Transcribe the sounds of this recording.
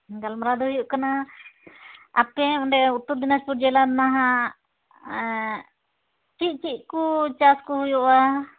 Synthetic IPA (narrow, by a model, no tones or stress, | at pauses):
ɡalmɾad̪uhujuʔkana | apɛɔɳɖɛut̪uɾd̪inaspuɾd͡ʒɛlanaɦa | t͡ʃiˀt͡ʃiʔ̚kut͡ʃaskuhujɔʔa